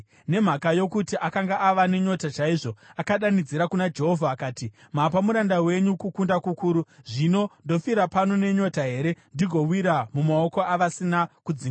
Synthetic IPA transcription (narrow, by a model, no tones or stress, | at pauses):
ne̞m̤akajo̞kutiʔakaŋɡaʔaʋane̞ɲo̞tat͡ʃaiʐoakaɗanid͡ziɾakunad͡ʒe̞ɦo̞vʱaːkaːti | mapamuɾandawe̞ɲukukundakukuːɾuʐino̞ndo̞fiɾapano̞ne̞ɲo̞taɦe̞ɾe̞ndiɡʱo̞wiɾamumao̞ko̞aʋasinakud͡ziːŋɡa